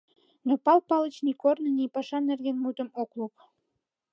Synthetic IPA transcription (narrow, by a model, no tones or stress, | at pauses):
nopɑlpɑlə̆t͡ɕnikornə̆nipɑʃɑnĕrɣenmut̪ə̆moklup̚